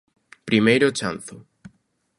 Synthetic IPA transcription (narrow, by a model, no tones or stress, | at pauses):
pɾimejɾot͡ʃanθo